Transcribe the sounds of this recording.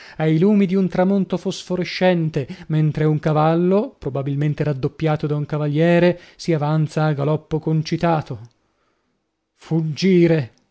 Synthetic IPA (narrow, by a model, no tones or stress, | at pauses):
ajluːmid̪iunt̪ɾamont̪ofosfoɾeʃːɛnt̪ement̪ɾeuŋkavalːopɾobabilment̪eɾad̪ːopːjaːt̪od̪auŋkavaljɛːɾesiavant̪saːɡalɔpːokont͡ʃit̪aːt̪o | fud͡ʒiːɾe